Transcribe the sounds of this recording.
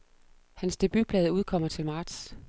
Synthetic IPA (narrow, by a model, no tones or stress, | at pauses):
hænsd̥e̝b̥yb̥ʰlɛːðˠuð̞ˠkʰɒ̽m̰ɐt͡sʰe̝lmɑ̈ːd̥s